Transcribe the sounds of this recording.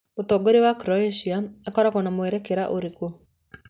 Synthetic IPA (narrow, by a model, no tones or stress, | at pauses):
ot̪ɔɡoɾewakɾɔeʃiaakɔɾakɔnamoeɾɛkeɾaʔoɾiko